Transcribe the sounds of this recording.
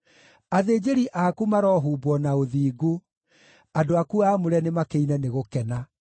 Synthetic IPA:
aðeːd͡ʑeɾiʔakumaɾɔɦuːbwɔnaoðiːɡu | adoakuaːmoɾɛnemakeinɛneɣokɛna

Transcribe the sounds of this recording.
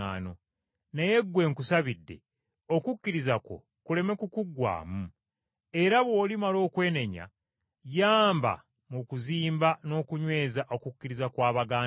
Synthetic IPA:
aːno̞ | neje̞ɡwe̞ːŋkusaβidːe̞̰ | o̞kukːiɾizako̞̰ | kule̞me̞kukuɡwa̰ːmu | e̞ɾaβwo̞ːlimalo̞ːkwe̞ːne̞ɲa̰ | jaːmba̰ | mukuziːmbano̞ːkuɲwe̞ːzaʔo̞kukːiɾizakwaːβaɡaː

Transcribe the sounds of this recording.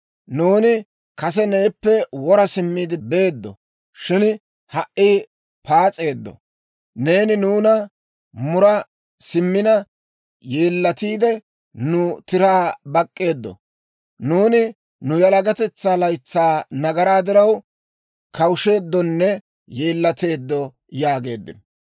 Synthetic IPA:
nuːnɪ | kɐs̬ɛne̞ːpːɛwɔɾɐsɪmːiːd̪ɪbe̞ːd̪ːɔ̰ | ʃɪn | hɐʔʔːiː | paːt͡sʼːe̞ːd̪ːɔ̰ | ne̞ːnɪnuːnɐ | mʊɾɐ | sɪmːɪnɐ | jeːlːɐt̪iːd̪ɛ | nʊt̪ɪɾaːbɐkʼːe̞ːd̪ːɔ̰ | nuːnɪ | nʊjɐlɐɡɐt̪ɛt͡sːaːlɐjt͡sːaːnɐɡɐɾaːd̪ɪɾɐw | kʰɐwʊʃe̞ːd̪ːɔnːɛ | je̞ːlːɐt̪e̞ːd̪ːɔ | jaːɡe̞ːd̪ːɪ̰nɔ

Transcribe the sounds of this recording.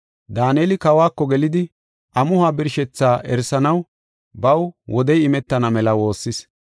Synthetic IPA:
d̪aːneːlɪkɐwaːkːɔɡɛlɪd̪ɪ | ʔɐmʊhaːbɪɾʃɛt͡sːaːʔɛɾsɐnɐw | bɐwwʔɔd̪ɛjɪmɛt̪ːɐnɐmɛlɐwo̞ːsːɪs

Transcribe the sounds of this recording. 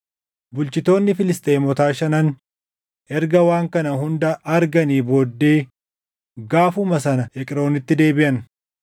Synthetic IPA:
bʊlt͡ʃɪt̪o̞ːnːɪfɪlɪst̪ʼe̞ːmɔt̪aːʃɐnɐn | ʔɛɾɡɐwaːŋkɐnɐɦʊnd̪ɐʔɐɾɡɐniːboːd̪ːe̞ː | ɡaːfʊmɐs̬ɐnɐɛkʼɪɾo̞ːnɪt̪ːɪd̪e̞ːbɪʔɐn

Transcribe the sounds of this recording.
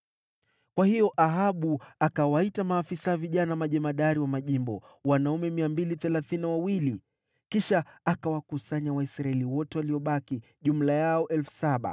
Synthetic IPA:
kwahijɔʔaɦaɓuakawaitamaːfisawaviʄanamaʄɛmaɗaɾiwamaʄimbɔ | wanaumɛmiambiliθɛlaθiniwawili | kiʃaːkawakusaɲawaisɾaɛliwɔtɛwaliɔɓaki | ʄum̩lajaɔʔɛlfu̥saɓa̰

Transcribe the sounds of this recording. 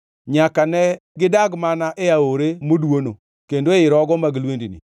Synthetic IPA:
ɲakanɛɡɪdaɡmanaʔeaoɾemodwono | kendoeɪɾɔɡɔmaɡilwendinḭ

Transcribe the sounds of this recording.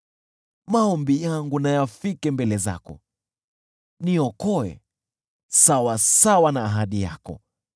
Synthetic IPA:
maɔmbijaŋɡunajafikɛmbɛlɛza̰kɔ̰ | niɔkɔɛ̰ | sawasawanaːɦaɗija̰kɔ̰

